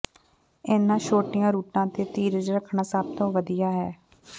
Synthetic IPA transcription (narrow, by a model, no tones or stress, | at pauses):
ɪnãːʃoːʈɪjãːɾuːʈãːt̪eːt̪iːɾəd͡ʒɾəkʰɳãːsəb̚t̪õːʋəd̪ijaːɦɛː